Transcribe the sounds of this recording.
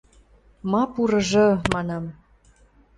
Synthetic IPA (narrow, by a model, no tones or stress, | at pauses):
mɑpuɾɤ̆ʒɤ̆mɑnɑm